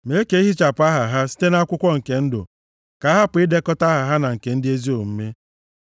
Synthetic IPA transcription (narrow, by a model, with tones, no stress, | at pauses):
me˨˦ke˦i˦ɦi˦t͡ʃa˨pa˦ɦa˨ɦa˦si̥˦te˦na˦a˦kʷʊ˦kʷɔ˦ŋ̩˨ke˨n̩˦dʊ̰˨ | ka˨˦ɦa˦pʊ˨ɪ˦de˦kɔ˦ta˦ɦa˨ɦa˦na˨ŋ̩˨ke˨n̩˦dɪ˦e˦zi˦o˨m̩˦me˦